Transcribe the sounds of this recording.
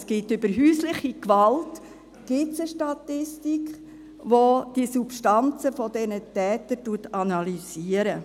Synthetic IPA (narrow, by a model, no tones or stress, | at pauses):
sɡ̥ɪtʏbəɾɦyːslɪχikʋɑlt | ɡ̥ɪtsəʃtɑtɪstikχ | ʋod̥isupʃtɑnt͡səfɔdɛnətɛːtəɾtuətɑnɑliziːəɾə